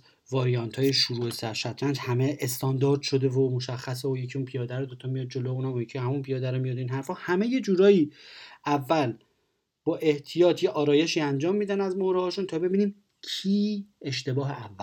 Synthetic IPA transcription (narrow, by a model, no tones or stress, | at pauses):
vɒːɾijɒnt̪ʰhɒːje̞ʃuɾuːe̞sæɾʃæt̪ʰɾænd͡ʒhæmeʔest̪ʰɒnd̪ɒːɾd̪̥ʃo̞d̪e̞vomoʃæxːæs̬eojecʰiunpʰijɒːd̪æɾɔd̪ot̪ʰɒmijɒːd̪̚d͡ʒo̞lojuːnæmojecʰihæmunpʰijɒːd̪æɾɔmijɒd̪inɦæɾfɒːhæme̞je̞d͡ʒuːɾɒːjiːævːæl | b̥ɒːʔe̞ht̪ʰijɒːt̪ʰjeʔɒːɾɒːje̞ʃiːænd͡ʒɒːmːiːd̪ænæzmohɾehɒːʃunt̪ʰɒːbe̞biːniːn | cʰiːe̞ʃt̪e̞bɒːɦeævːæ